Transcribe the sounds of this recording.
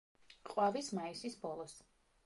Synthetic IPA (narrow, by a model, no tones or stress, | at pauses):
qʼwavismaisisbɔlˠɔs